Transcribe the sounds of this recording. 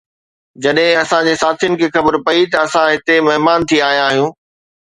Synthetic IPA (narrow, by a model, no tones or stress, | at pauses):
d͡ʑɐɗɦɪ̃ɐsãd͡ʑeːsaːt̪ʰijʊnɪ̆kʰeːxɐbəɾpɐit̪ɐɐsãɦɪt̪emɐɦmaːnt̪ʰiaːɦijãaːɦijũː